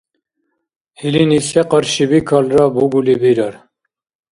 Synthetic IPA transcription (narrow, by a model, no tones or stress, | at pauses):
hilinisɛqɑɾʃibiːkʰɑːlrɑːbuɡulibiɾɑɾ